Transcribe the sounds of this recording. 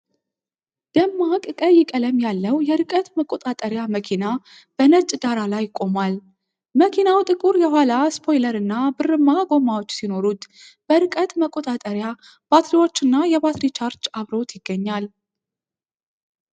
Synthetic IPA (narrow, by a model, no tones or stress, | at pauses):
d̪̥əmːakʼkʼəjɪkʼələmjalːəwjɛɾɨkʼət̪məkʼot̪ʼat̪ʼəɾjaməkʰina | b̥ənət͡ʃʼd̪aɾalajkʼːo̞mal | məkʰinawt̪ʼɨkʼuɾjɛɦʷalaspʰo̞jləɾɨnːabɨrːɨmːaɡo̞mawot͡ʃːsino̞ɾut̪ | b̥əɾɨkʼət̪məkʼo̞t̪ʼat̪ʼəɾja | b̥at̪liwo̞t͡ʃːɨnːajɛβat̪ɾit͡ʃʰaɾt͡ʃaβɾo̞t̪jɪɡ̥ːəɲːal